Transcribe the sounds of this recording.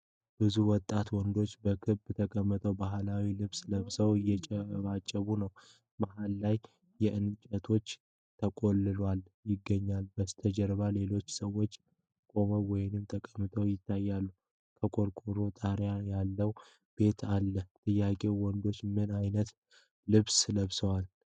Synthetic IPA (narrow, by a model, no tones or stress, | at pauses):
b̥ɨzuwɔt̪ʼːat̪wɔnd̪o̞t͡ʃːbəkʰɨβt̪ʰəkʼəmːɨt̪ʰʼəwbaɦlawilɨβsləmsəwɨjːɛt͡ʃʼɛβat͡ʃʼːəβunəw | bahalːaj | jɛʔɨnt͡ʃʼət̪ʰo̞t͡ʃː | t̪ʰəkʼo̞lːɨlal | jɪɡːəɲːalbəst̪ʰəd͡ʒəɾβale̞lo̞t͡ʃːsəwːo̞t͡ʃː | kʼo̞βəwɔjɪnɨmt̪ʰəkʼəmːɨt̪ʼʰəwjɪt̪ʰːajːalːu | kʰəkʼo̞ɾkʼuɾot̪ʼəhɾjajalːəw | b̥e̞t̪ʰalːəht̪ʼɨjːakʼe̞wɔnd̪o̞t͡ʃːmɨnajnət̪ | lɨβsləβsəwal